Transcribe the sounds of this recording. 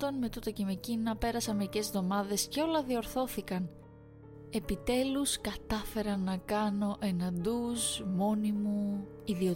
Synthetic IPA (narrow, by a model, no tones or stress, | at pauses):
t̪o̞nme̞t̪ut̪oceme̞cinɐpe̞ɾɐsɐme̞ɾice̞zðo̞mɐðe̞sceo̞lɐðio̞ɾθo̞θikɐn | e̞pit̪e̞luskɐt̪ɐfe̞ɾɐnːɐkɐno̞ʔe̞nɐnd̪usmo̞nimu | iðio